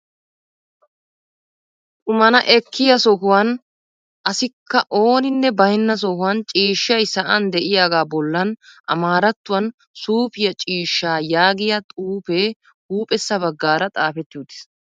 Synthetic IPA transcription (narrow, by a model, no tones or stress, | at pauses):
t̪ʼʊmɐnɐʔɛkʰːɪjɐsɔɦʊwan | ʔɐsɪkːɐʔo̞ːnɪnːɛbɐhɪnːɐs̬ɔhʊwant͡ʃʼiːʃːɐjsɐʔɐnd̪ɛʔɪjaːɡaːbɔlːɐnʔɐ̰maːɾɐt̪ːʊwɐn | suːpɪjɐt͡ʃʼiːʃːaːjaːɡɪjɐt̪ʼuːpeː | huːpʼɛsːɐbɐɡːaːɾɐt̪ʼaːfɛt̪ːɪjuːd̪ɪ̥s